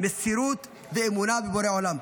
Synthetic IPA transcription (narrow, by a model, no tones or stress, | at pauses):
mesiɾut̪ | veːmunabeboɾeolam